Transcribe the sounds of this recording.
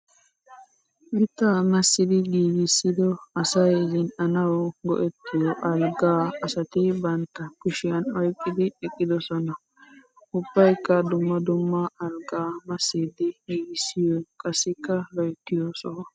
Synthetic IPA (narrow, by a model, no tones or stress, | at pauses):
mɪt̪ːamɐsːɪd̪ɪɡiːɡɪsːɪd̪ɔɐsɐjzɪnʔɐnɐwɔɡɔ̰ʔɛt̪ːɪjɔʔɐlɡaːɐsɐt̪ɪbɐnt̪ːɐkʊʃɪjɐnɔjkʼːɪd̪ɪɛkʼːɪd̪ɔsɔnɐ | ʔʊb̥ːɐjkːɐd̪ʊmːɐd̪ʊmːɐɐlɡaːmɐsːid̪ɪɡiːɡɪsːɪjɔkʼɐsːɪkːɐlɔjt̪ːɪjoːsɔ